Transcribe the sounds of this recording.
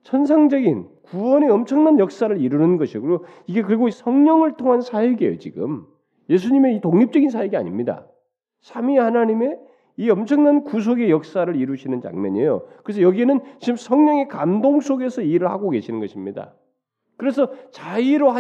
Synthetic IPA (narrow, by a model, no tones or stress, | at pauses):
t͡ɕʰʌns̬ʰaŋd͡ʑʌɡinkuwʌne̞ʌmt͡ɕʰʌŋnanjʌk̚s͈aɾɯɾiɾunɯnɡʌɕʰiɡɯɾo | iɡe̞kɯɾiɡoisʰʌŋɲʌŋɯɭtʰoŋɦansʰaiɡiḛjo̰t͡ɕiɡɯ̰m | je̞s̬ʰuɲime̞itoŋɲip̚t͡ɕ͈ʌɡinsʰaiɡia̰ɲimɲida̰ | sʰamihanaɲime̞ | iʌmt͡ɕʰʌŋnankus̬ʰoɡe̞jʌk̚s͈aɾɯɾiɾuɕʰinɯnt͡ɕa̰ŋmjʌ̰ɲejo̰kɯɾe̞s̬ʰʌjʌɡienɯnt͡ɕiɡɯmsʰʌŋɲʌŋe̞kamdoŋsʰoɡe̞sʰʌiɾɯɭhaɡoke̞ɕʰinɯnɡʌɕʰimɲida̰ | kɯɾe̞s̬ʰʌt͡ɕaiɾoɦa